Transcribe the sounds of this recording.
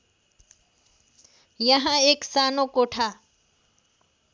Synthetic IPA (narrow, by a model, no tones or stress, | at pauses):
jəɦə̃eːksaːnoːkoːʈʰaː